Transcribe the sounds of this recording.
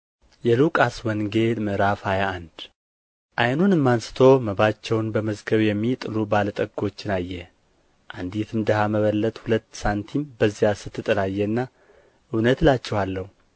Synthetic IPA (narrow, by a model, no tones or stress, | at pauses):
jɛlukʼaswɔŋɡe̞lmɨɾafajaand̪ | ʔajnunɨmːansɨ̥t̪ʰo̞məβat͡ʃːɛwnbəməzɡəβjɛmːit̪ʼɨlubalət̪ʼəɡo̞t͡ʃːɪnajːɛ | ʔand̪it̪ʰɨmd̪əhaməβəlːət̪ʼhulət̪ːsant̪ʰimbəzːijasɨt̪ʰːɨt̪ʼɨlajːɛɨnːa | ʔɨwnət̪lat͡ʃːɛhalːəhu